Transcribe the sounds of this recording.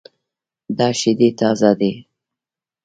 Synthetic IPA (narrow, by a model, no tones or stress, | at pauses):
d̪ɑʃɪd̪et̪ɑzad̪e